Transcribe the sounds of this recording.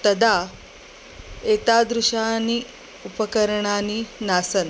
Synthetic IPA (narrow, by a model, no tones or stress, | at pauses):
t̪ɐd̪ʱaː | eːt̪aːd̪ɾuʂaːni | upɐkɐɾɐɳaːninaːsɐn